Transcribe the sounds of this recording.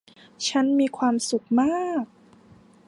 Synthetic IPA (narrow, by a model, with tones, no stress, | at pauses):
t͡ɕʰa˦˥nmiː˧kʰwaː˧msu˨˩k̚maː˥˩k̚